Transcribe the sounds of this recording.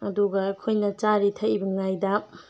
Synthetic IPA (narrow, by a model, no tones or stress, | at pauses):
ɐduɡɐɐkʰojnɐt͡ʃaɾitʰɐʔibɐŋajdɐ